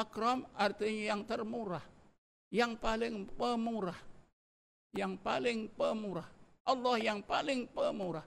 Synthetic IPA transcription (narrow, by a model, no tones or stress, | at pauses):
akɾɔmʔart̪iɲajaŋt̪ərmuɾah | jaŋpalɪŋpəmuɾah | jaŋpalɪŋpəmuɾah | ʔɑlːɔhjaŋpalɪŋpəmuɾah